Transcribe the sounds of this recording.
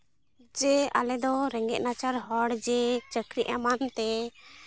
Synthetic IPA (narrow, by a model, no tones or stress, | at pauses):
d͡ʒɛa̰lɛd̪ɔɾɛŋɡɛ̰ʔnat͡ʃaɾɦɔɽd͡ʒɛt͡ʃəkɾiʔamant̪ɛ